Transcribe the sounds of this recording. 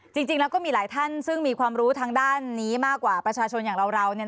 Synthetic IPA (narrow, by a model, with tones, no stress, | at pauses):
t͡ɕi˧ŋt͡ɕi˧ŋlɛː˦˥wkɔː˥˩miː˧laː˩˦jt̪ʰa˥˩nsɯ˥˩ŋmiː˧kʰwaː˧mɾuː˦˥t̪ʰaː˧ŋdaː˥˩nːiː˦˥maː˥˩kːwaː˨˩pɾa˧t͡ɕʰaː˧t͡ɕʰo˧njaː˨˩ŋɾa˧wɾa˧wni˥˩˨